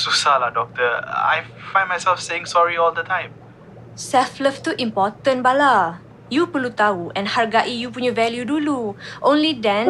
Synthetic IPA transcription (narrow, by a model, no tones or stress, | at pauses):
susaladɔk̚t̪əa̰jfãɪ̃nmajsɛlfseɪ̃ŋsɔɹiɔld̪ətʰãj̃m | sɛfləft̪uʔĩmpɔt̪ə̃nbala | jupəlut̪auɛ̃nhaɹɡaʔijupunɲvɛljuduluʔõnlidɛ̃n